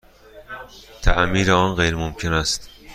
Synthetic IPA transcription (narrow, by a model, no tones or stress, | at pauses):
t̪ʰæʔmiːɾeɒːnɢejɾemomcʰenæst̪